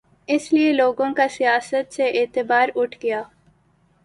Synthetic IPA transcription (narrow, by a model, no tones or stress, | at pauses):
ɪslieloːɡõkasijaːsət̪seʔeːt̪ɪbaːɾʊʈʰɡɐjaː